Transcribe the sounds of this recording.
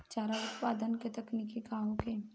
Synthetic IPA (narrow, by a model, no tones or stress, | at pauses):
t͡ʃaːɾaʊt̪paːd̪ənket̪ɐknikikaɦõke